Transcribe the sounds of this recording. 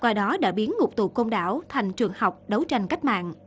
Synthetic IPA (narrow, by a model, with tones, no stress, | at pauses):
kwaː˧ɗɔ˨˦ɗa̰ː˧˥˩ɓi˨˦ənŋʊ˨˩k͡p̚t̪ṵ˧˨˩ko˧nɗa̰ː˧˩wt̪ʰa˨˩jŋ̟t͡ɕɨ˨˩əŋha˨˩wk͡p̚ɗə˨˦wt͡ɕa˧jŋ̟ka˦˥k̟̚ma̰ː˧˨nʔ